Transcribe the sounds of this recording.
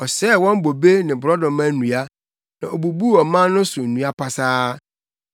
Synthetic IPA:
ɔ˨sɛː˦˨wɔ̃˦m˦bo˨be˦nɪ̃˨bɾɔ˦dɔ̃˨mã˦nũ˨a˦ | nã˨o˨bu˨bu˦ɔ˨mã˦nʊ̃˦sʊ˨nũ˦a˦pʰa˨saː˦

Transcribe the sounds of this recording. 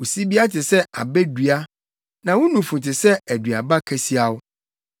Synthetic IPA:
o˨si˦bi˦a˦tʰɪ˨sɛ˦a˨bɛ˦dɥa˦ | nã˨wʊ˦nũ˨fũ˨tɪ˨sɛ˦æ˨dɥa˨ba˦kʰɛ˨si˦a˨wʊ˦

